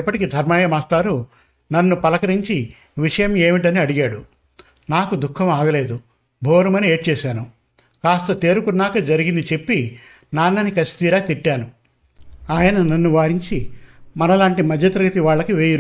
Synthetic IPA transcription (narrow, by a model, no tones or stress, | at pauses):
pːɐʈikid̪ʱɐɾmɐaːjɐmaːsʈ̪aːɾu | nɐnːupɐlɐkɐɾiɲt͡ʃi | ʋiʂɐjɐme̞ːʋiʈ̬ɐniɐɽiɡaːɽu | naːkud̪ukʰːɐmaːɡɐle̞ːd̪u | bʱoːɾumɐnie̞ːʈ̚t͡ʃeːsaːnu | kaːst̪ɐt̪e̞ːɾukunːaːkɐd͡ʒɐɾiɡind̪it͡ʃe̞pːi | naːnːɐnikɐsi̥t̪iːɾaːt̪iʈːaːnu | aːjɐnɐnɐnːuʋaːɾiɲt͡ʃimɐnɐlaːɳʈimɐd̪ʱːɐt̪ɐɾɐɡɐt̪iʋaːɭːɐkiʋeːjuɾu